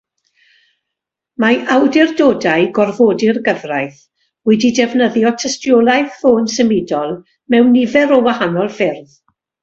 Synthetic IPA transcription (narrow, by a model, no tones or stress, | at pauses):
maʔawdɪrdoːdaɨɡɔrvoːdɪrɡəvrajθ | wɛdidɛvnəðjɔtʰəstjɔːlˠajðfoːnsəmɪdɔlˠ | mɛwnːɪvɛɾɔwahanɔlˠfɪrð